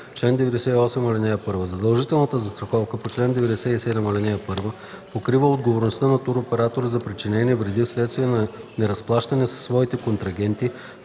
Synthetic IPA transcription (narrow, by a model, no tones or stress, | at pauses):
t͡ʃlɛnd̪ɛvɛd̪ɛsɛiɔsɛmolʲɛnɛjɐpɤɾvəzɐd̪ɐlˠʒit̪ɛlˠnət̪əzɐst̪ɾɐxɔfkəpot͡ʃlɛnd̪ɛvɛd̪ɛsɛisɛd̪ɛmolʲɛnɛjɐpɤɾvə | pokɾivəod̪ɡovoɾnost̪ənɐt̪uɾopɛɾat̪oɾəzɐpɾit͡ʃinɛniɛvɾɛd̪ifslɛt̪st̪viɛnɐnɛɾɐsplˠaʃt̪ɐnɛsɐ̥sːvɔit̪ɛkont̪ɾɐɡʲɛnt̪i